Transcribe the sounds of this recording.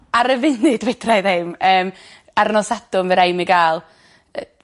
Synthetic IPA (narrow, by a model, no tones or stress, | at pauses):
aɾəvɪnɪdwɛdrajðeməːm | aɾnɔsadʊmvɛɾajmiɡaːlˠ | ə